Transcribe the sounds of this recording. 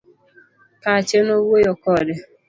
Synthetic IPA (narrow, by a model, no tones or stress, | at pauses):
kat͡ʃenowojɔkɔdɪ